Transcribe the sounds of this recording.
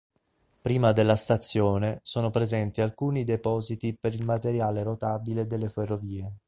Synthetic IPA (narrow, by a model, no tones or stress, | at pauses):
pɾiːmad̪elːast̪at̪sːjoːnesoːnopɾezɛnt̪ialkuːnid̪epɔːzit̪ipeɾilmat̪eɾjaːleɾot̪aːbiled̪elːeferːoviːe